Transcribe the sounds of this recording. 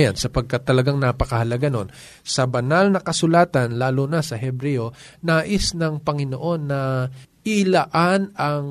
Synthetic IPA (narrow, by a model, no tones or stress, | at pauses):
ja̰nsɐpɐɡ̚kat̪ːɐlɐɡaŋnapɐkɐhɐlɐɡɐno̞n | sɐbɐnalnɐkɐsʊlaːt̪ɐnlaːlonɐsɐɦɛbɾɛo̞naːʔɪsnɐŋpɐŋɪnoʔo̞nːɐʔɪlɐʔanɐŋ